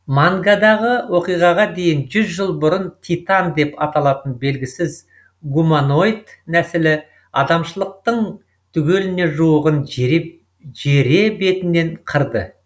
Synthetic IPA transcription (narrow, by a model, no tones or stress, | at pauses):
maŋɡad̪ɑʁəwoqijʁɑʁɑd̪e̞jɪnʒʏzʒəlˠbʊɾənt̪ʰijt̪ɑnd̪e̞pɑt̪ɑlˠɑt̪ənbe̞lɡʲɪsɪz | ɡumano̞jt̪næsɪlɪ | ɑd̪ɑmʃəlˠəq̚t̪əɴ | t̪ʰʏɡʲe̞lɪne̞ʒuwəʁən | ʒeɾe̞be̞t̪ɪne̞ɴqʰəɾd̪ə̰